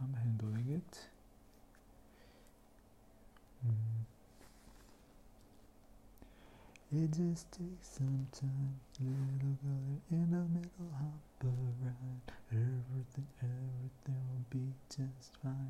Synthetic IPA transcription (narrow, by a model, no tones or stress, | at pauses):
ãmɦæ̃ndlɪ̃ŋɪk̚ | ɪt̚dʒʌstʰeɪksʌ̃mtʰãɪ̃mlɪɾl̩ˠɡʌlə˞ʔɪ̃nəmɪɾl̩ˠhɑt̚b̥əɹãnɛvɹiθɪ̃ŋɛvɹiθɪ̃ŋwɪlˠbid͡ʒʌstfãɪ̃